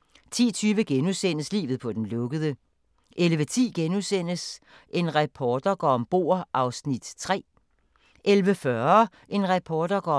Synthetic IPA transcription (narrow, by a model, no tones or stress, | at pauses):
t͡sʰḭːt͡sʰyːʋəɡ̥enusen̰əslḭːʋð̩ˠpʰɒ̽d̥enlɔ̽ɡ̥əð̞ˠə | ʔelʋət͡sʰḭːɡ̥enusen̰əs | ʔe̝nʁɑpʰɒːd̥ɐɡ̥ɒ̰ɒmb̥o̝̰ːɐ̰ʔɑ̈ʊsnid̥t͡sʰʁɛ̰ː | ʔelʋəfɶɐ | ʔe̝nʁɑpʰɒːd̥ɐɡ̥ɒ̰